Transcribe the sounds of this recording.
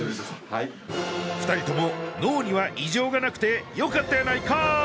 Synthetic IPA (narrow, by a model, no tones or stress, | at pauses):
ɸɯ̥t̪aɾʲit̪o̞mo̞no̞ːɲ̟iβaʔiʑo̞ːɡanakɯ̟̥t̪e̞jo̞kat̪ːajanaika